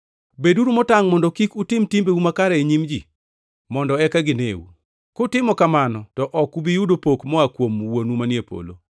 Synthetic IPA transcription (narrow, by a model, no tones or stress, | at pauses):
beduɾumɔtaŋmɔndɔkikutɪmtimbeumakaɾaeɲimd͡ʒi | mɔndɔɛkaɡɪnḛwṵ | kotɪmɔkamanɔtɔʔɔkubijudopokmɔakwomwonumanjepo̰lo̰